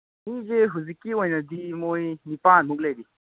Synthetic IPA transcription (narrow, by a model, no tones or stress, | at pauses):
mĩd͡ʒeɦuzikiwõjnɐd̪imoinipãːnmuɡled̪i